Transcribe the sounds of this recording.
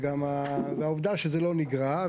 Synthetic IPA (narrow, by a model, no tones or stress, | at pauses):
ɡamaveauvd̪aʃezelo̞niɡʁa